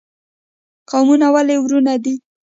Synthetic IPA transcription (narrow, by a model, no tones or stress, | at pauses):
qawmunawalewɾunad̪i